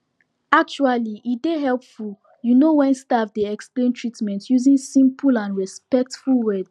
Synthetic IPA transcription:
ak̚t͡ʃualiʔitdeɦɛlˠpful | junowɛ̃nstavdeɛksplẽntʰɹitmɛ̃ntjuzĩnsĩmpʰulãnɹɛspɛk̚tfulwɛd

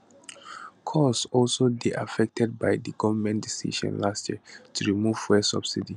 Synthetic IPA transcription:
kʰɔsɔlsodeʔafɛk̚tʰɛd̚baɪdəɡɔvəmɛ̃ndisḭʃɔ̰̃nlastjiətʰuɹimuv̥fɛsʌ̰b̥sidi

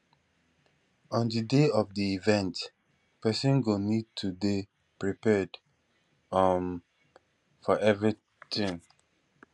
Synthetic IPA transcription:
ɔ̃ndideɔfdiivɛ̃nt | pɛsɔ̃nɡonid̚tʰubi | pɹipɛd | am | fɔʔɛvɹi | tĩŋ

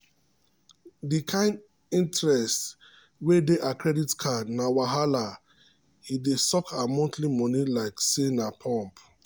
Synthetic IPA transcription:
dikʰãɪ̃nd | ĩntɹɛst | wedeʔakɹɛditkʰanawaɦala | hidesɔkʰamɔ̃ntlimɔnilaɪksenapʰɔ̃mp

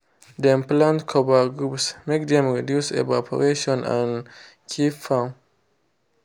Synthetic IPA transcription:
dɛ̃mplãntkʰɔbəɡɹupsmek̚d̪ɛ̃mɹidjusḛvapʰə̰ɹeʃɔ̃nã̰n | kʰipfãn

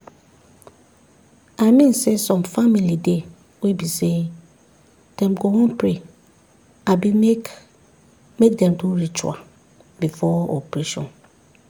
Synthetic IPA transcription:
aɪmĩnsesɔ̃mfamilide | webise | d̥ɛ̃mɡowɔ̃npʰɹe | abiek | mek̚dɛ̃mdoɾit͡ʃʰa̰ | bifɔɔ̰pʰɹeʃɔ̰̃n

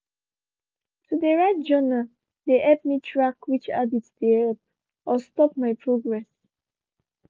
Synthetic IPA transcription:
tʰudeɹaɪt̚d͡ʒona | deʔɛpmitʰɹakwit͡ʃa̰diddiɛlp̚ | ɔstɔpmaɪpʰɹoɡɹɛs

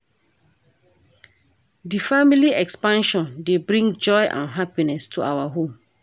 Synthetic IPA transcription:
difamiliɛkspãnʃɔ̃ndebɹĩŋd͡ʒɔɪʔã̰nɦapinɛstʰuawaɦõm

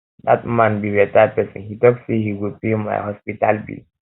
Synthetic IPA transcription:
d̪at̚mãnbiɹɛtad̚pɛsɔ̰̃nhitɔksihiwud̚pima̰jhɔspitalbḭ

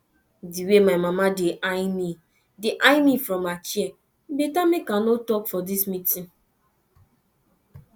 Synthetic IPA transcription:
diwemaɪmamadeʔaɪmi | deʔaɪmifɾɔ̃mat͡ʃiɛ | betamekãnotɔkfɔdismĩtĩn

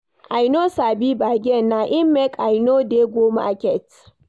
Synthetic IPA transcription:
ʔajnosaːbiːbaːɡʲɛnːaʔɪmːɛkʔajnoːdeɡʷoːma̰ʔakʲɛt

